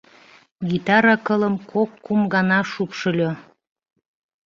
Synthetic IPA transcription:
ɡit̪ɑɾɑkə̆ləmkʰokːumɡɑnɑʃupʃɤ̆lʲo

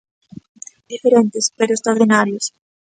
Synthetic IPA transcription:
d̪ifeɾent̪ɪspeɾʊest̪ɾaɾðinaɾjʊs

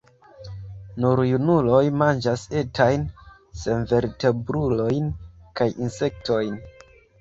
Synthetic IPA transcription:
nuɾjunulo̞jmand͡ʒase̞tʰajn | senve̞ɾte̞bɾulo̞jnkajinse̞k̚tʰo̞jn

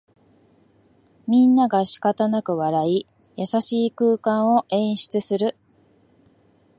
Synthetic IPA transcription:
mʲĩnːaɡaɕi̥kat̪anakɯ̟βaɾai | jasaɕiːkɯːkãɰ̃o̞ʔẽ̞ɰ̃ɕi̥t͡sɨsɨɾɯ̟

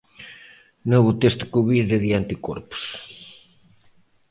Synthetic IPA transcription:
noβut̪est̪u̥kuβiðeðiant̪iko̰ɾpʊ̥s

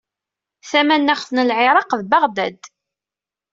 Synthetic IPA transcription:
θæmænːaχθnəlʕɪɾˤɑqðbaʁd̪æd̪

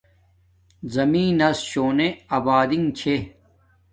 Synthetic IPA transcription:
zɐmĩːnɐsɕoːneɐbaːd̪iŋt͡ɕʰe

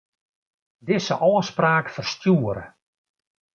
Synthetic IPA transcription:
dɪsəʔɔːəspraːkfərstjuəɾə̰

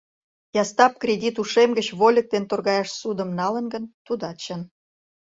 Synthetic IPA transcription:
jɑst̪ɑp̚krʲedʲit̪uʃemɡət͡ɕβolʲək̚t̪ent̪orɣɑjɑʃsud̪əmnɑlə̆nɡənt̪ud̪ɑt̪t͡ɕən

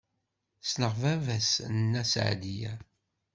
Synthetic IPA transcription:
snəʁvævæsnːæsʕ̰d̪ijæ

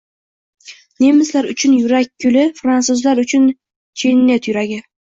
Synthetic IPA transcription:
nemɪslaɾʊt͡ʃʰʊnjʊɾak̚ʲkʰːʊlɪfɾantsʊzlaɾʊt͡ʃʰʊn | t͡ʃʰenːet̪jʊɾaɡʲɪ

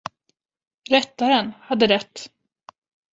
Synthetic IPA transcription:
ɾɛt̪ːaɾənhad̪ːəɾɛt̪ː

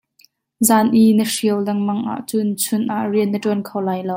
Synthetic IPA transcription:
zaːnʔinəʂiəwlɛŋmɐŋʔa̰ʔt͡sʊnt͡sʰʊnʔaʔriənːətuənkʰɐwlaːjlow

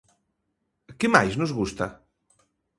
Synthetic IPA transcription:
kemajznuzɣust̪a̰

